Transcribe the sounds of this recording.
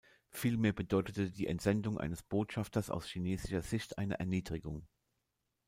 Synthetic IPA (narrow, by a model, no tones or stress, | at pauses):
fiːlmeːɐbədɔʏtətədiːʔɛntz̥ɛndʊŋʔa̰ɪnəsb̥oːtʃaftɐsa̰ʊsʃineːzɪʃɐz̥ɪçtʔa̰ɪnɐ̰ʔɛ̰ɐniːdʁɪɡʊŋ